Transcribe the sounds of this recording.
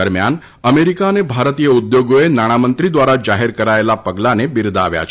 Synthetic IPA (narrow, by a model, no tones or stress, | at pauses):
əɾmja̰n | əmeɾikanebʱaɾət̪ijəud̪joɡoenaɽ̃amənt̪ɾid̪ʋaɾad͡ʒaɦeɾkəɾaelapəɡlanebiɾd̪aʋja̰t͡ɕʰ